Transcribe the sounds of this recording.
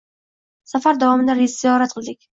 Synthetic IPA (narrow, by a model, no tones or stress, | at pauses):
safaɾd̪avɒmɪd̪aɾezzijɒɾat̪̚qʰɨlˠd̪ɪkʲ